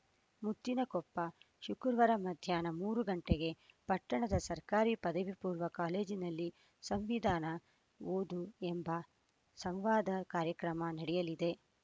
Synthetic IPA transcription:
mut̪ːinɐɡɔpːɐ | ʃukuɾʋɐɾɐmɐd̪ʱjaːnɐmuːɾuɡɐɳʈeɡe̞pɐʈːɐɳɐd̪ɐsɐɾkaːɾiːpɐd̪ɐʋipuːɾʋɐkaːle̞ːd͡ʒinɐlːi | sɐmʋid̪ʱaːnɐ | ʋoːd̪uembɐ | sɐmʋaːd̪ɐkaːɾjɐkɾɐmɐnɐɽɛjɐlid̪e̞

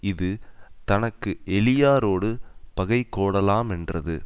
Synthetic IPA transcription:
ɪðɯt̪ɐnɐkːɯʔɛlɪjaːɾoːɽɯpɐɣɐɪkːoːɽɐlaːmɛndrɐðɯ̰

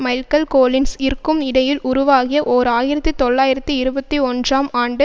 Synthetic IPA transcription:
mɐɪlkɐlkoːlɪnsɪɾɯkːɯmɪɽɐjɪlʔʊɾʊʋaːɣɪjɐʔoːɾaːjɪɾɐt̪ːit̪ɔɭːaːjɪɾɐt̪ːiɪɾɯbɐt̪ːiɔndraːmaːɳɖɯ

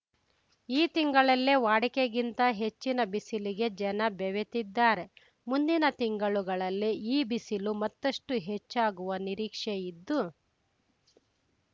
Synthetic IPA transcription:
iːt̪iŋɡɐɭɐlːeʋaːɽikeɡint̪ɐɦe̞t͡ʃːinɐbisiliɡe̞d͡ʒɛnɐbɛʋet̪id̪ːaːɾe̞ | mund̪inɐt̪iŋɡɐɭuɡɐɭɐlːiiːbisilumɐt̪ːɐʂʈuɦe̞t͡ʃːaːɡuʋɐniɾiːkʂejid̪ːu

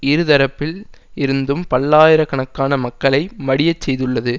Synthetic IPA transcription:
ɪɾɯðɐɾɐpːɪlɪɾɯnd̪ɯmpɐlːaːjɪɾɐkɐɳɐkːaːnɐmɐkːɐɭɐɪmɐɽɪjɐt͡ʃsɛjðɯɭːɐðɯ

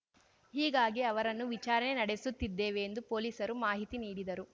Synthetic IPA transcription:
hiːɡaːɡiɐʋɐɾɐnːuʋit͡ʃaːɾɐɳe̞nɐɽesut̪ːid̪ːeːʋeːnd̪upo̞ːliːsɐɾumaːɦit̪iniːɽid̪ɐɾu

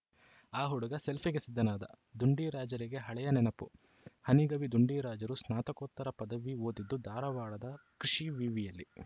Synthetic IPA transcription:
aːɦuɽuɡɐse̞lpʰiɡesid̪ʱːɐnaːd̪ɐ̰ | d̪uɳɖiːɾaːd͡ʒɐɾiɡe̞ɦɐɭɛjɐnɛnɐpu | hɐniɡɐʋid̪uɳɖiːɾaːd͡ʒɐɾusnaːt̪ɐkoːt̪ːɐɾɐpɐd̪ɐʋioːd̪id̪ːud̪ʱaːɾɐʋaːɽɐd̪ɐkɾiʂiʋiːʋijɐlːi

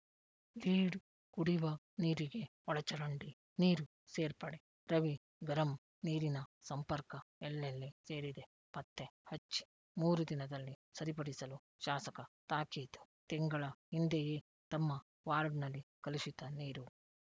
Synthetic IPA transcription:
liːɽ | ɡ̥uɽiʋɐ | niːɾiɡeɔɭɐt͡ʃɐɾɐɳɖi | niːɾu | se̞ːɾpɐɽe | ɾɐʋi | ɡɐɾɐm | niːɾinɐsɐmpɐɾkɐɛlːelːise̞ːɾid̪e | pɐt̪ːehɐt͡ʃːi̥ | muːɾud̪inɐd̪ɐlːisɐɾipɐɽisɐlu | ʃaːsɐkɐt̪aːkit̪u̥ | t̪ɛŋɡɐɭɐhind̪ejeː | t̪ɐmːɐ | ʋaːɾɖnɐlːikɐluʃit̪ɐniːɾu

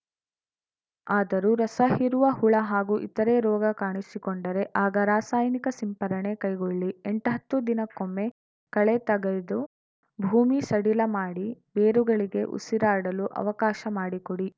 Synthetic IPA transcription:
aːd̪ɐɾuɾɐsɐhiɾuʋɐhuɭɐɦaːɡuːʔḭt̪ɐɾeɾɔːɡɐkaːɳisikoɳɖɐɾe̞ʔaːɡɐɾaːsaːjnikɐsimpɐɾɐɳe̞kɐjɡoɭːieɳʈɦɐt̪ːud̪inɐkomːe̞ | kɐɭet̪ɐɡɐjd̪u | bʱuːmisɐɽilɐmaːɽibeːɾuɡɐɭiɡe̞ʔṵsiɾaːɽɐluʔɐ̰ʋɐkaːʃɐmaːɽikoɽi

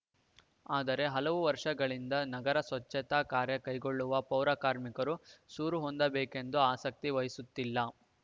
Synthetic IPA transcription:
aːd̪ɐɾe̞ɦɐlɐʋuʋɐɾʂɐɡɐɭind̪ɐnɐɡɐɾɐsʋɐt͡ʃːɐt̪akaːɾjɐkɐjɡo̞ɭːuʋɐpɐwɾaːkaːɾmikɐɾusuːɾuɦond̪ɐbeːke̞nd̪uaːsɐk̚t̪iʋɐjisut̪ːilːɐ

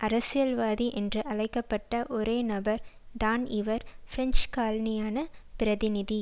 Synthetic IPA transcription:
ʔɐɾɐsɪjɐlʋaːðiʔɛndrɯʔɐɭɐɪkːɐpːɐʈːɐʔɔɾeːnɐbɐɾd̪aːnɪʋɐɾfɪɾɛnt͡ʃkaːlɐnɪjaːnɐpɪɾɐðɪnɪði

